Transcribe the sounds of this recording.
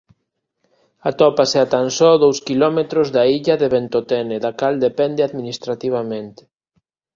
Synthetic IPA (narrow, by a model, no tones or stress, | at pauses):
at̪ɔpaseat̪ansɔðowskilɔmet̪ɾozðaiʎɐðeβent̪ot̪ɛneðakald̪epɛnd̪eaðminist̪ɾat̪iβ̞amẽnt̪e̥